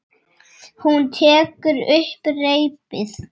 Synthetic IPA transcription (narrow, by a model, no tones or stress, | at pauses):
hunt̪ʰɛːkʏɾʏhpreːjpɪθ